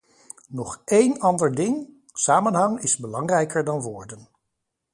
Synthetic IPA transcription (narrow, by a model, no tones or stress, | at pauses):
nɔχejnɑndəɹdɪŋ | saːmənɦɑŋɪzbəlɑŋrɛjkəɹdɑnʋʊːɹdən